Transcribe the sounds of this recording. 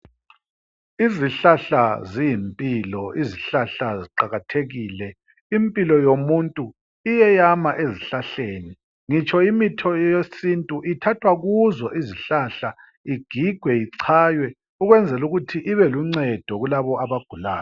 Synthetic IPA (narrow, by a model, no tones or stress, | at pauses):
iziɬaɬazijimpʼiːlɔiziɬaɬaziǃaɣatʰeɣiːlɛ | impʼilɔjomuntʼu | ijɛjamaʔeziɬaɬeːni | ŋit͡ʃʼʰɔimitʰɔjesintʼuʔitʰatʰwaɣuzɔʔiziɬaɬa | iɡ̥ʱiɡ̥ʱwɛiǀʰaːjwɛ | uɣwɛnd͡zʱɛluɣutʰiʔiβɛluŋ͡ǀɛd̥ʱɔɣulaβɔaβaɡ̥ʱula̰ːjɔ